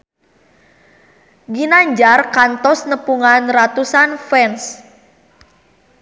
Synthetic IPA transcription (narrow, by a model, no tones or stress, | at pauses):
ɡinaɲd͡ʒarkant̪ɔsnəpuŋanrat̪usanfɛns